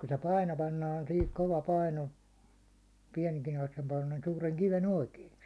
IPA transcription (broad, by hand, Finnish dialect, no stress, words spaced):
ku se pɑino pɑnːɑːn sihik koʋɑ pɑino suːreŋ kiʋen oikeː